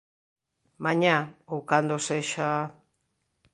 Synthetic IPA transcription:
maɲaukand̪oseʃa

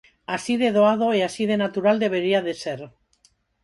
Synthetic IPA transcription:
asiðe̞ð̞oað̞o̞easið̞e̞nat̪uɾald̪e̞β̞e̞ɾiaðe̞se̞ɾ

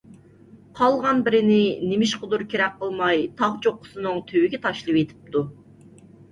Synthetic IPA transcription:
qʰɑlˠʁɑnbɪɾɪnɪnemɪʃqʰʊd̪uɾkʲeɾɛk̚ʲqəlˠmɑjt̪ʰɑʁt͡ʃʰoqːʊ̥sɨnɨŋt̪ʰøwɪɡʲɛt̪ʰɑʃlˠɨwet̪ʰɪ̥p̚t̪ʰu

